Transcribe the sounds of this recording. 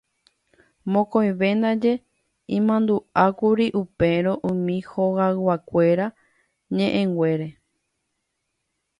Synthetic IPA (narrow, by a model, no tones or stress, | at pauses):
mõkõj̃ʋẽ̞nd̪ad͡ʒe̞ | ĩmãnd̪uakuɾiʔupe̞ɾõʔũmĩhoɣawakʷe̞ɾa | ɲẽ̞ʔẽŋɡwʷe̞ɾe̞